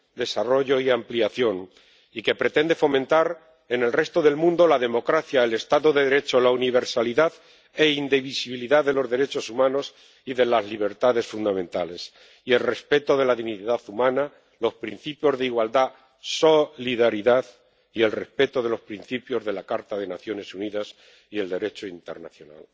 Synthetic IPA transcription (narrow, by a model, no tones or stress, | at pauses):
d̪e̞saro̞ʝo̞iampliaθjo̞ŋ | ike̞pɾe̞t̪e̞nd̪e̞fo̞mẽnt̪aɾ | e̞ne̞lre̞st̪o̞ðe̞lmũnd̪o̞laðe̞mo̞kɾaθjaele̞st̪aðoðe̞ðeɾe̞t͡ʃo̞launiβ̞e̞ɾsaliðað | e̞ind̪eβ̞isiβiliðaðe̞lo̞zðe̞ɾe̞t͡ʃo̞sumãnos | iðe̞lazliβ̞e̞ɾt̪aðe̞sfund̪amẽ̞nt̪ale̞s | ie̞lre̞spe̞t̪o̞ðe̞laðiniðaθumãna | lo̞spɾḭn̟θipjo̞zðeiɣwald̪a | so̞liðaɾiðað | ie̞lre̞spe̞t̪o̞ðe̞lo̞spɾin̟θipjo̞zðe̞lakaɾt̪aðenaθjo̞ne̞suniðas | ie̞ld̪e̞ɾe̞t͡ʃoint̪e̞ɾna̰θjo̞na̰l